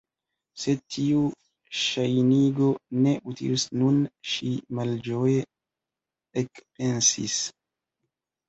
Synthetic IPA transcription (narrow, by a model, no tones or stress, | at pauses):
se̞tʰiu | ʃajniɡo̞ne̞ʔutḭlisnunʃimald͡ʒo̞je | ekpe̞nsḭs